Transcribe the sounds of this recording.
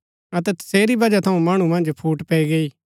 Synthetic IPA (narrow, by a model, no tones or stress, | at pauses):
ɐt̪̬ɛt̪ɐ̥seːɾibɐd͡ʒat̪ʰɐũmaːɽ̃ũmɐ̃nd͡ʒpʰuːʈpɛiɡeiː